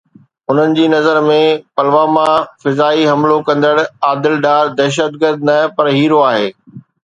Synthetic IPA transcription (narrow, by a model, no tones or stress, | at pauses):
ʊn̤ənɪ̆d͡ʑiːnɐzəɾmẽpɐlʋaːmafɪzaːiɦɐmlokɐ̃nd̪əɽaːd̪ɪlɖaːɾd̪ɛːʃ̬ət̪̚ɡəɾd̪nɐpɐɾɦiːɾoaːɦeː